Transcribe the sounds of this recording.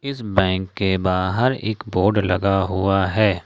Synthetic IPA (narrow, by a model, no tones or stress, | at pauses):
ɪsbɛ̃ːŋkːebaːɦəɾḛːkboːɾɖlɐɡaɦuaɦɛː